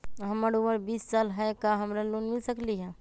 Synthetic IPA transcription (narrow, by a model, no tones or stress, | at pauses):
ɦəməɾuməɾbissalɦəekaɦəmɾalonmilsəkliɦɛ̃